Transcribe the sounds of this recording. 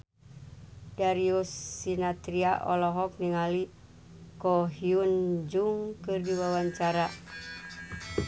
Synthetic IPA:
daɾiusinat̪ɾiaʔɔlɔɦɔk̚niŋali | kɔɦiund͡ʒuŋkɨrdiwawaɲt͡ʃaɾa

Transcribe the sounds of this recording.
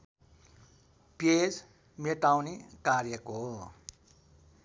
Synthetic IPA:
pjes | mjɛtãw̃nḭkaɾiɛkːo

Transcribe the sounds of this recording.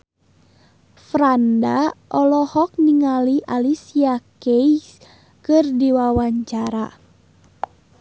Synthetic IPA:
fɾandaʔɔlɔhɔk̚niŋaliʔalisiakeis | kɨrdiwawaɲt͡ʃaɾa̰

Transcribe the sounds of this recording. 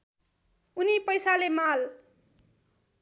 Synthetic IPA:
unipʌjsalemal

